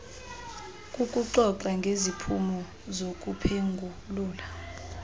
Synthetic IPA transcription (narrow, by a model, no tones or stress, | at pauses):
kʼukʼuǀɔǀaŋɡʱezipʰumɔ | zokʼupʰeŋɡʱu | luːla